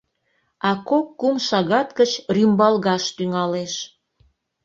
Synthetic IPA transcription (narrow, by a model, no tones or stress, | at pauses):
ɑkokːumʃɑɣɑt̪kət͡ɕrymbɑlɣɑʃt̪yŋɑleʃ